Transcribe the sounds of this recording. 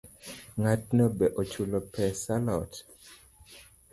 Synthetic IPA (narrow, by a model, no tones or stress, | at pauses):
ŋat̚nɔbɛʔot͡ʃulɔpɛsalɔt